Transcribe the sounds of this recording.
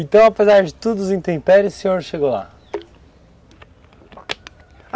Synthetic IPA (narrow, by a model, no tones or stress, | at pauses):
ẽnt̪ɐ̃w̃apɨzaɾðɨt̪uðuzĩnt̪ẽpɛɾjusɨɲoɾʃeɣolˠa̰